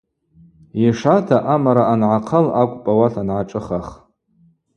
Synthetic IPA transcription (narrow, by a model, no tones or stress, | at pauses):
iʂatʰaʔamaɾaanʕaqʰəlakʷʼpʼawaɬʰanʕaʈ͡ʂʼɨχaχ